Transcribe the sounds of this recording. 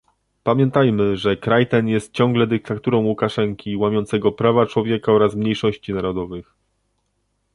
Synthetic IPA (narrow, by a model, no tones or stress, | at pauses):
pamʲjɛnt̪ajmɘʐɛkɾajt̪ɛnjɛst̪̚t͡ɕɔ̃ŋɡlɛd̪ɘk̚t̪at̪uɾɔ̃w̃wukaʂɛŋkʲiwamʲjɔnt̪sɛɡɔpɾavat͡ʂwɔvʲjɛkaɔɾasmɲejʂɔɕt͡ɕinaɾɔd̪ɔvɘx